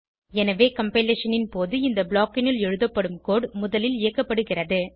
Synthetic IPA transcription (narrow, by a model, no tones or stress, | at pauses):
ɛnɐʋeːkɐmpeleːʂɐnɪnpoːðɯɪnd̪ɐbɭaːkɪnɪlɛɻɯðɐpːɐɽɯmkoːɽmʊðɐlɪlɪjɐkːɐpːɐɽɯɣɪrɐðɯ